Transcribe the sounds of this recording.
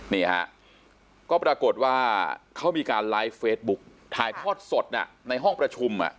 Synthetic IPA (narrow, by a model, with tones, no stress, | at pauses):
niː˥˩ha̰˦˥ʔ | kɔː˥˩pɾaː˧ko˨˩t̪̚waː˥˩kʰa˦˥˩wmiː˧kaː˧nlaː˦˥jfeː˦˥t̪̚bu˦˥k̚ | t̪ʰaː˨˧jk̪ʰɔː˥˩t̪̚so˨˩t̪̚ʔa̰˨˩ | na˧jɦɔ˥˩ŋpɾa˧t͡ɕʰu˧mʔa̰˨˩ʔ